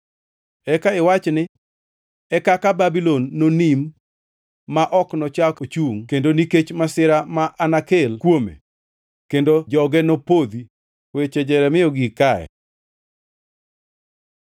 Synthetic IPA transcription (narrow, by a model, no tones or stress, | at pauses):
ɛkaɪwat͡ʃnɪ | ɛkakababilonːonimː | aʔɔknɔt͡ʃakot͡ʃuŋkendoniket͡ʃmasɪɾamaʔanakelkwomḛ | kendod͡ʒɔɡɛnopod̪i | wet͡ʃɛd͡ʒɛɾɛmɪɔɡikaɛ̰